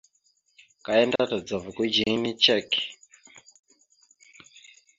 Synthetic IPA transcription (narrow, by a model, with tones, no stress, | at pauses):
ka˨e˦nda˦ta˨d͡za˨vu˨ku˦d͡ʒiŋi˦ni˦t͡ʃɛ˦k